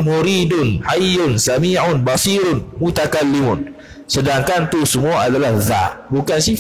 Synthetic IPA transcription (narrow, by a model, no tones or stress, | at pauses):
moɾidʊnhajʊnsamiʕʊnbasiɾʊnmut̪akalːimʊn | sədaŋkant̪usəmuaʔadalahza̰ʔbukansi